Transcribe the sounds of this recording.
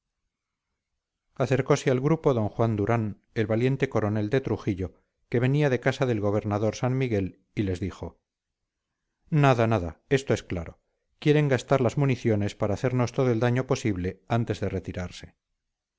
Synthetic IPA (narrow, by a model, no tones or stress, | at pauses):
aθe̞ɾko̞sealɣɾupo̞ðo̞ŋxwand̪uɾan | e̞lβalje̞nt̪e̞ko̞ɾo̞ne̞ld̪e̞t̪ɾuxiʎo̞ | ke̞β̞e̞niaðe̞kasaðe̞lɣo̞β̞e̞ɾnaðo̞ɾsanmiɣe̞l | ile̞zðixo̞ | naðanaðae̞st̪oe̞skla̰ɾo̞̰ | kje̞ɾe̞ŋɡast̪aɾlazmuniθjo̞ne̞spaɾaːθe̞ɾno̞st̪o̞ðoe̞ld̪aɲo̞po̞siβle̞ant̪e̞zðe̞re̞t̪iɾaɾse̞̥